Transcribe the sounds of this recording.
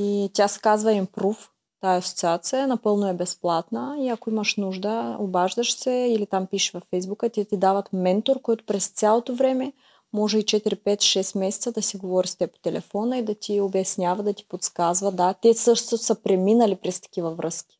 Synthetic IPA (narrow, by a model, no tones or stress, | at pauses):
it̪ʲasɛ̥kazvɐɛmpɾuf | t̪aɛɐsot̪siat̪siənɐpɤlˠnoɛbɛsplˠat̪nəiɐkoimɐʃnuʒd̪əobaʒd̪əʃsɛilit̪ampiʃvɐfɛjzbukət̪ʲɛt̪id̪avɐt̪mɛnt̪oɾkɔjt̪o̥pɾɛst̪sʲjalˠot̪ovɾɛmɛ | mɔʒɛit͡ʃɛt̪iɾipɛt̪ʃɛst̪mɛsɛ̥t̪səd̪ɐsiɡovɔɾist̪ɛpo̥t̪ɛlʔɛ̰fɔnəid̪ɐt̪iobɛsnʲavɐd̪ɐt̪i̥pot̪skazvɐd̪at̪ɛsɤʃt̪ssəpɾɛminəlipɾɛst̪ɐ̥k̟ivɐvɾəskʲi̥